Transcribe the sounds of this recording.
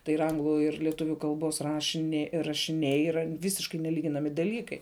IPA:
tɐɪ ɪr ˈɐŋɡlˠʊ ɪr lʲiɛˈtʊʋʲʊ kɐlˠˈboːs rɐʃʲɪˈnʲɛ rɐʃʲɪˈnʲɛɪ iːˈrɐ ˈʋʲɪsʲɪʃkɐɪ nʲɛˈlʲiːɡʲɪnɐmʲɪ dɐˈlʲiːkɐɪ

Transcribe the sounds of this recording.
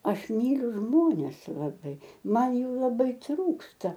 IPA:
ˈɐʃ ˈmʲiːlʲʊ ˈʒmoːnʲɛs lˠɐˈbɐɪ ˈmɐn ˈjuː lˠɐˈbɐɪ ˈtruːkstɐ

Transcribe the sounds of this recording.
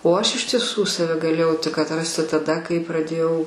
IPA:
oː ɐʃ ɪʃ tʲiɛˈsuː sɐˈʋʲɛ ɡɐˈlʲeːjɛʊ tʲɪk ɐtˈrɑːsʲtʲɪ tɐˈdɐ kɐɪ prɐˈdʲeːjɛʊ

